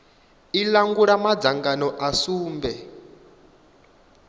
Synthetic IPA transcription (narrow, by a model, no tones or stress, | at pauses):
ilaŋɡuɺamad͡zaŋɡanɔʔasuːmbɛ